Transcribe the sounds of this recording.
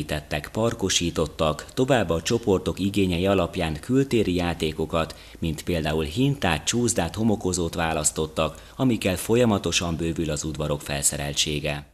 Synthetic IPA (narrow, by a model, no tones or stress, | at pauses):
t̪ɛt̪ːɛkpɒrko̞ʃiːt̪o̞t̪ːɒkt̪o̞vaːbːɒt͡ʃo̞po̞rt̪o̞kiɡeːɲɛjiɒlɒpjaːŋkylt̪eːɾijaːt̪eːko̞kɒt̪ | mint̪peːld̪aːulɦint̪aːt̪̚t͡ʃuːzd̪aːt̪ho̞mo̞ko̞zoːt̪ʋaːlɒst̪o̞t̪ːɒk | ɒmikɛlfo̞jɒmɒt̪o̞ʃɒmbøːvylɒzud̪ʋɒɾo̞kfɛ̰lsɛɾɛ̰lt͡ʃeːɡɛ